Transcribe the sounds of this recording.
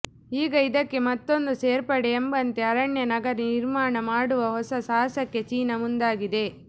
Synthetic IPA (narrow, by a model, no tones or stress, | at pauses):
iːɡɐid̪ɐkːe̞mɐt̪ːo̞nd̪useːɾpɐɽeːmbɐnt̪e̞ɐɾɐɳjɐnɐɡɐɾɐniɾmaːɳɐmaːɽuʋɐɦɔsɐsaːsɐkːe̞t͡ʃiːnɐmund̪aːɡid̪e̞